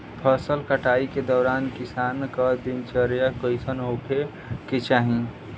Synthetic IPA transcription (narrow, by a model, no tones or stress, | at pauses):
pʰəsəlkəʈaiked̪ɔːɾankisankəd̪int͡ʃəɾjakəisənɦokʰe | ket͡ʃaːɦĩ